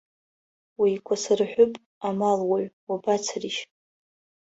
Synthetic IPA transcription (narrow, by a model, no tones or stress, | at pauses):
wikʷʰasarħʷʊpʼ | amalwaɥwabat͡sʰriʃ